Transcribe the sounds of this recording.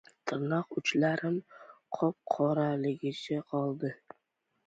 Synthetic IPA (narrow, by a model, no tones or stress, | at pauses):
t̪ʰɨɾnɒqʊt͡ʃlaɾɪmqʰɒp̚qʰɒɾalɪɡʲɪt͡ʃʰaqʰɒlˠd̪ɪ